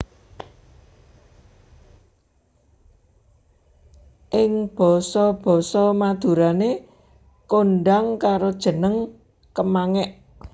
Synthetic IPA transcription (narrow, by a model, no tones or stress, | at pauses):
ʔɪŋb̥ɔ̤sɔb̥ɔ̤sɔmad̪̥ṳɾane | koɳɖaŋkaɾod̥ʒ̥ə̤nəŋ | kəmaŋɛʔ